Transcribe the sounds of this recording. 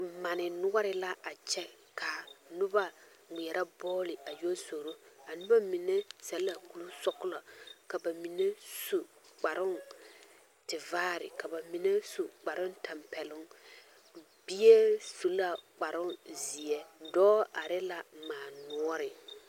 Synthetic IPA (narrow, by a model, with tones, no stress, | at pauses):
ma˨nɪ˨nʊ˦ɔ˦ɾɪ˨la˦a˨t͡ʃɛ˦ | kʰa˨nʊ˦ba˦ | ŋi˨ɛ˨ɾa˦bɔː˦lɪ˨a˨jo˦so˨ɾo˦a˨nʊ˦ba˦mi˨ne˦sɛ˨lːa˨ku˨lu˦sɔ˦kʊ˦la˨ka˨ba˨mi˨ne˦su˨ | k͡pa˨ɾʊ˦ŋ | tɪ˨vaː˦ɾɪ̰˨ka˨ba˨mi˨ne˦su˨k͡pa˨ɾʊ˦ntʰa˨mpɛ˨lʊ˦ŋ | bi˦e˦su˨la˨k͡pa˨ɾʊ˦zi˨ɛ˦dɔː˦a˨ɾɛ˦la˨maː˨nʊ˦ɔ˦ɾɪ˨